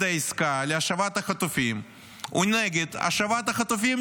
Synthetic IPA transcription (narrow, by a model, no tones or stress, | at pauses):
d̪ɐjskalʲɐʂɐvat̪ɐxɐt̪ʊfʲim | ʊnɛɡʲɪt̪ɐ̰ʂɐvat̪ɐxɐt̪ʊfʲim